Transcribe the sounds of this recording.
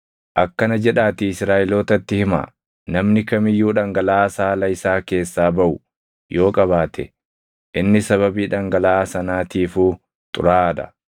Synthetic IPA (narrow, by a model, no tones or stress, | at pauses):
ʔɐkːɐnɐd͡ʒɛᶑaːt̪ɪɪsɾaːʔɪlo̞ːt̪ɐt̪ːɪhɪma̰ː | nɐmnɪkɐmɪjːuːᶑɐŋɡɐlaːsaːlɐɪsaːke̞ːsːaːbɐʔʊ | jo̞ːkʼɐbaːt̪ʰɛ̰ | ʔɪnːɪsɐβɐbiːᶑɐŋɡɐlaːsɐnaːt̪iːfuː | t̪ʼʊ̰ɾaːᶑ̪ɐ̰